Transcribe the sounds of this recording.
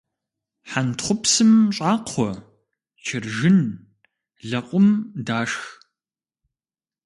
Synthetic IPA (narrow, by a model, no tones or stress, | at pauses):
ħantχʷʊpsɨmɕʼaːqʰʷɔ | t͡ʃʰɪrʒɪn | ɮɐqʷʼʊmdaːʂx